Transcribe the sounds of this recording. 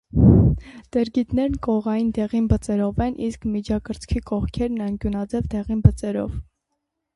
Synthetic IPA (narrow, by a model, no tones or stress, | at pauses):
d̪̥ɛɾɡit̪nɛɾnkɔʁɑjind̪ɛʁinbət͡sɛɾɔvɛnʔiskmid͡ʒɑkəɾt͡sʰkʰikɔʁkʰɛɾnɑŋkjunɑd͡zɛvd̪ɛʁinbət͡sɛɾɔ̰v